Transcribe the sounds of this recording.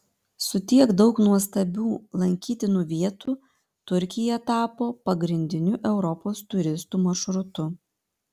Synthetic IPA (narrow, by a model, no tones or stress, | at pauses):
sʊt̪ʲiɛkd̪ɒʊknuɔst̪ɐbʲuːlˠɐŋʲkʲiːt̪ʲɪnuːʋʲiɛt̪uː | t̪ʊɾʲkʲɪjɛt̪ɑːpoːpɐɡɾʲɪnʲd̪ʲɪnʲuʔɛʊɾɔpoːst̪ʊɾʲɪst̪uːmɐʃɾʊt̪ʊ